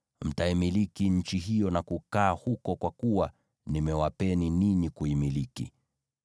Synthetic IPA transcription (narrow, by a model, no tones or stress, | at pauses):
m̩taimilikiɲ̩t͡ʃiɦijɔnakukaːhukɔkwakuwa | nimɛwapɛniniɲikuimilikḭ